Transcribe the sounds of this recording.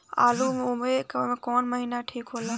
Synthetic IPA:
a̰ːlumomekːmẽkoːnməɦiːnaʈʰiːkɦoːlaː

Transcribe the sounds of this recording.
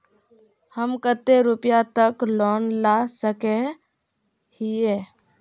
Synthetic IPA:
həmkət̪ːeɾupjat̪əklɔnlasəke | hije

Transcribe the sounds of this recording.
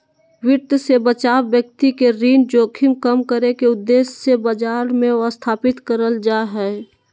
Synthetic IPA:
wɪɾt̪sebət͡ʃaːwːjək̚t̪ikeɾiːnd͡ʒoːkʰɪmkəmkəɾekeʊd̪ːeːsːebəd͡ʒaːɾmẽəst̪ʰaːpɪt̪kəɾəld͡ʒaɦɛ

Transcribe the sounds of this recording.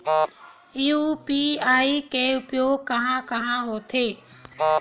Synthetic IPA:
ɪɦopiaːikeʊpjokɐɦãkɐɦãɦot̪ʰeː

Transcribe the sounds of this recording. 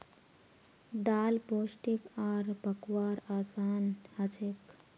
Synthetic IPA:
d̪aːlpoːsʈikaːɾpəkwaːɾaːsaːnhət͡ʃʰek

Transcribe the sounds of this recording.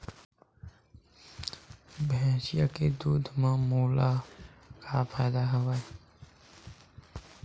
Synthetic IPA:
bɛ̃ʃijaked̪uːd̪ʱmãːmuːlakʰapʰɛːd̪aːɦəʋae

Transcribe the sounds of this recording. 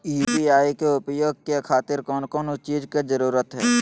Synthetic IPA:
iːpiaːikeʊpjoːɡ̚kekʰaːt̪ɪɾkɔːnkɔːnʊst͡ʃiːd͡ʒked͡ʒəɾuːɾət̪ɦɛː

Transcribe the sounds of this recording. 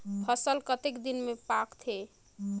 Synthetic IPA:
pʰəsəlkət̪ekd̪inmepakt̪ʰe

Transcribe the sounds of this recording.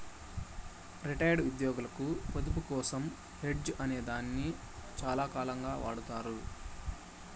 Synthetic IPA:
ɾiʈɐjɖud̪jɔːɡulɐkupɐd̪up̬ukɔːsɐm | heɖd͡ʒɐneːd̪aːnːi | t͡ʃaːlaːkaːlɐŋɡaːʋa̰ːɽut̪aːɾu

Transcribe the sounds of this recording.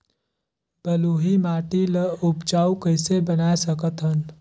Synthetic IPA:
b̥əluːɦimaːʈiləʊpt͡ʃaːukəɪsebənaːesəkət̪ɦən

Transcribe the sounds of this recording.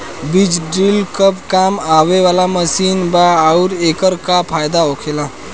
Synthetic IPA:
bid͡ʒɖɾilkəpkamaweʋalaməsinbaaʊɾekəɾkapʰajd̪aokʰelã

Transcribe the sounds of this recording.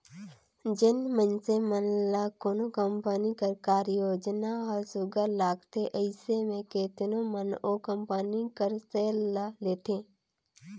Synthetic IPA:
d͡ʒɪnmənsemənlakoːnokəmpənikəɾkaːɾjoːd͡ʒnaɦəɾsʊɡəlaːɡt̪eʔəɪsemẽkeːt̪ɪnõmənokəmpənikəɾseːlaleːt̪ʰẽː

